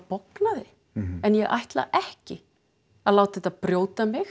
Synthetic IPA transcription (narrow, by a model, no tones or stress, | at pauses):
poklaðɪ | ɛnjɛɣʔa̰jht̪la̰ʔɛhcɪ | aðlaːwt̪θɛt̪aðpɾjoːwt̪amɪx